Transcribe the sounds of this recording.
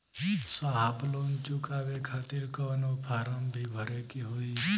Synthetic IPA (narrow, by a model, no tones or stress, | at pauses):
saɦaːbloːnt͡ʃʊkaːʋekʰaːt̪ɪɾkəːnopʰaːɾəmbʱibʱəɾekiɦoi